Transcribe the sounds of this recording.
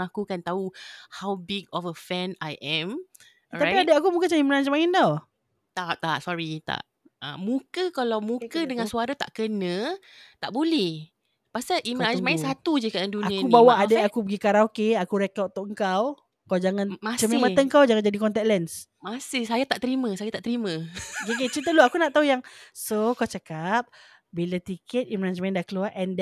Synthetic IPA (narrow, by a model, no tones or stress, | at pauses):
akukant̪auhawbiɡɔfəfɛ̃na̰jʔɛ̃m | apiadaakumukət͡ʃaimənansmãɪnd̪aw | t̪aʔt̪aʔsɔɾit̪a̰ʔ | ə̰̃mũkəkalawmũkədəŋãnsuaɾat̪a̰ʔkənə̃ | t̪aʔbulɛh | pasaʔimənamãinsat̪ud͡ʒikaandunaiakubawaʔadaakupəɡikaɾãokeakuɾɛkawt̪ʊʔəŋkaw | kawd͡ʒaŋãnmat͡ʃəmeməəŋkawd͡ʒaŋand͡ʒadikɔnt̪ɛt̚lɛns | masihsajat̪aʔt̪əɾimə̃sajat̪aʔt̪əɾimə̃ɡeɡet͡ʃit̪əloakunaʔt̪aɦujaŋsokawt͡ʃəkap̚ | bilat̪ikɛt̪̚imɾansmaɪndakəluaʔɛnd